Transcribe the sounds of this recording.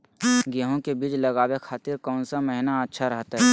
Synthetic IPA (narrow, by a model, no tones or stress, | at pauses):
ɡəɦõkebiːd͡ʒləɡaːwekʰaːt̪iɾkɔːnsaməɦɪnaətːʃʰaɾəɦət̪ɦɛː